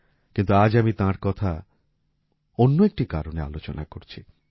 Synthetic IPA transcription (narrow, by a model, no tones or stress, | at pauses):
kint̪uad͡ʑamit̪ãɾkɔt̪ʰa | onːoek̚ʈikaɾonea̰lot͡ɕona̰koɾt͡ɕʰi